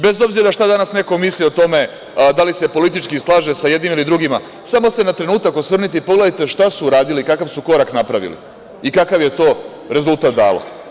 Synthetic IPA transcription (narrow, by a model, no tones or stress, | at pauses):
be̞zo̞bziɾaʃt̪ad̪anasne̞ko̞mislio̞t̪o̞me̞ | d̪alise̞po̞lit̪̬it͡ʃkislˠaːʒe̞sajed̪nimilid̪ɾuɡima | samo̞se̞nat̪ɾe̞nuːt̪akosʋr̩nit̪eipo̞ɡle̞d̪ajt̪e̞ʃt̪asuːɾaːd̪ilikakaʋsuko̞ɾaknapɾaʋḭlḭ | ikakaʋjet̪o̞ː | ɾe̞zulˠt̪at̪̚d̪a̰ːlo̰